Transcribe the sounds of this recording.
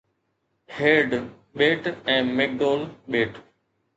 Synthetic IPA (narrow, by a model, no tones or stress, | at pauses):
heːɾɖ | ɓeːʈɛ̃ːmek̚ɖoːlɓeːʈ